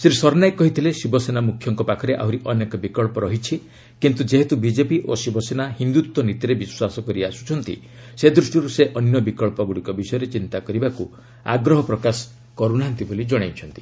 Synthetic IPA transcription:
siɾisɔɾnajkkːɔɦit̪ʰilesibɔsenamukʰjɔŋkɔpakʰɔɾeʔa̰uɾiʔɔnekɔbikɔɭpɔɾɔɦit͡ʃʰi | kint̪ud͡ʒeɦet̪ubid͡ʒepiʔosibɔsenaɦind̪ut̪wɔnit̪iɾebiswasɔkɔɾiasu̥t͡ʃʰɔnt̪ḭ | sed̪ɾusʈiɾuseʔɔnjɔbikɔɭpɔɡuɽikɔbisɔjɔɾet͡ʃint̪akɔɾibaku | a̰ɡɾɔɦɔpɾɔkasɔ̥ | kɔɾunaɦant̪ibolid͡ʒɔɽ̃ajt͡ʃʰɔnt̪i̥

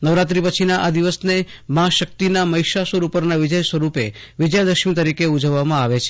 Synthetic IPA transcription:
nəʋɾat̪ɾipət͡ʃʰinaʔad̪iʋəsnemãʃək̚t̪inaməiʃasʋəɾupəɾnaʋɪd͡ʒəjsʋəɾupe | ʋɪd͡ʒjad̪əʃmĩt̪əɾikeud͡ʒəʋːamãaʋet͡ʃʰe

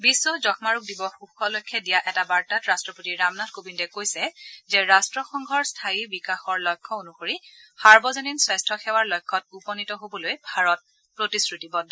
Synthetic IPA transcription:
bisːɔzɔxmaɹuk̚dibɔxuxʰɔlojkʰːɛdijaʔɛtabaɹtatɹastɹɔpotiɹamnadkobindɛkojsɛzɛɹastɹɔxɔŋɡʱɔɹstʰajibikaxɔɹlɔjkʰːɔonuxoɹixaɹbɔzɔninswɛstʰɔxɛwaɹlɔjkʰːɔt̚upɔnitɔɦobɔlojbʱaɹɔt̚ | pɹotisɹutibɔndʱ

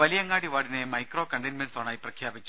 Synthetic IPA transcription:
ɐlijɐŋːaːɽiʋaːɽinemɐjkro̞ːkɐɳɖɐnmensaːnaːjiprɐkʰjaːbit͡ɕːu

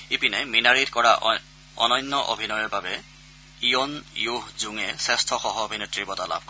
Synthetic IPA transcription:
ipinɛminaɹitkɔɹa | ɔnɔjnːɔʔo̰bʱinɔjɔɹbabɛ | ijonjuɦzuŋɛsɛstʰɔxɔɦɔbʱinetɹibɔtala̰b̥̚ʱkɔ

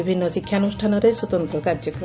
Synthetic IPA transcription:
ibʱinːɔsikʰːjanusʈʰanɔɾeswɔt̪ɔnt̪ɾɔkaɾd͡ʒɔk

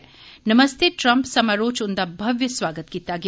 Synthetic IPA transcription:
nɐmɐst̪ʰeʈɾɐmpsɐmɐɾoːt͡ʃund̪abʱɐʋjɐsʋaːɡət̪kit̪ːaːɡ

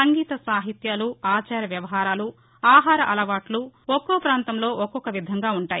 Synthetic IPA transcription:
ɐŋɡiːt̪ɐsaːɦit̪jaːluaːt͡ʃaːɾɐʋjɐʋɐɦaːɾaːlu | aːɦaːɾɐʔɐlɐʋaːʈluɔkːoːpɾaːnt̪ɐmlo̞ːʔɔkɔkɐʋid̪ʱɐŋɡaːuɳʈaːji

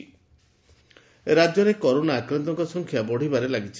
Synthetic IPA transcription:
ɾad͡ʒjɔɾekɔɾonaːkɾɔnt̪ɔŋkɔsɔŋkʰjabɔɽ̤ibaɾelaɡit͡ʃʰi

